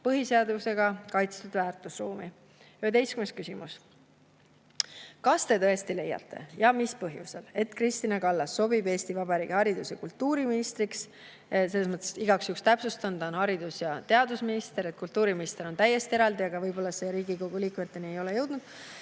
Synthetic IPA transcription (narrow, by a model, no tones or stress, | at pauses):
pɤɦise̞ɑd̪use̞ɡ̥ɑkɑjt̪st̪ud̪væːrt̪ˑusruːmi | ye̞d̪e̞jskymeskysimṵs | kɑst̪e̞t̪ɤe̞st̪ile̞jːɑ̰t̪ːe̞̰jɑmispɤ̞ɦjusele̞t̪krist̪inɑkɑlːɑsːo̞bibe̞ːst̪ivɑbɑɾiːɡ̥ehɑɾid̪usjɑkult̪ːuːɾiminist̪ɾiks | se̞lːesmɤt̪ˑːesiɡ̥ɑksjukst̪æpsust̪ɑnd̪onhɑɾid̪usjɑt̪e̞ɑd̪usminist̪e̞ɾe̞t̪̚kult̪ːuːɾiminist̪e̞ɾo̞nt̪æje̞st̪ieɾɑld̪iɑɡ̥ɑvɤjbo̞lːɑse̞ɾiːɡiko̞ɡ̥uliːkmet̪ːeniejo̞le̞jɤwd̪̥nud̪̥